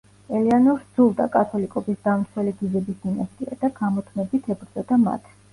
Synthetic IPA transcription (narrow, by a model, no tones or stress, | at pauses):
ɛlianɔɾd̪zulˠd̪a̰kʼat̪ʰɔlikʼɔbisd̪̥amt̪sʰwɛliɡizɛbisd̪inast̪ʼia̰d̪aɡamɔt̪ʰmɛbit̪ʰɛbɾd̪zɔd̪ama̰t̪ʰ